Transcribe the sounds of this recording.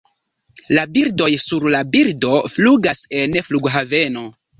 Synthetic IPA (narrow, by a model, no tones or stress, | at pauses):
labiɾdo̞jsuɾlabiɾdo̞fluɡase̞nfluɡɦave̞no̞